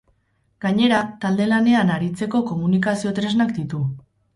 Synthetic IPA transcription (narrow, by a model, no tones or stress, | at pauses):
ɡ̥aɲe̞ɾat̪ald̪e̞lane̞anaɾit͡se̞ko̞ko̞munikasio̞t̪ɾe̞znakd̪it̪u